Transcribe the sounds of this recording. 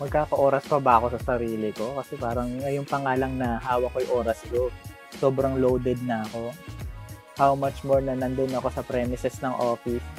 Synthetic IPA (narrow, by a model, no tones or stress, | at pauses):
mɐɡ̚kaːkɐʔo̞ːɾɐspɐbɐːko̞sɐsɐɾiːlɪko̞kɐsɛpaːɾɐŋːɐjoŋpɐŋaːlɐŋnɐɦaːwɐkojʔoːɾɐsd̪o | soːbɾɐŋlowd̪ɛd̪̚nɐɐko̞ | hawmɐt͡ʃmoɹnɐnɐnd̪onɐko̞sɐpɾɛmɪsɛsnɐŋʔoːfɪs